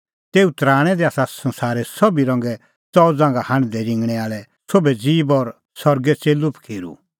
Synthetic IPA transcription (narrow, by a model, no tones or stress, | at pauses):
t̪eːut̪ɾaːɽ̃ɛd̪iaːsasɐ̃nsaːɾɛsɔbiɾɐ̃ŋɡɛ | t͡sɔd͡zãːŋɡahãñd̪ɛɾɪ̃ŋɡɽ̃ɛaːɭɛ | sobɛd͡ziːbɔɾ | sɔɾɡɛt͡seːlupkʰeːɾṵ